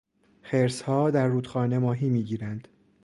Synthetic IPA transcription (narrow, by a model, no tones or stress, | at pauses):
xeɾshɒːd̪æɾːuːd̪xɒːne̞mɒːɦiːmiːɟiːɾænd̪̥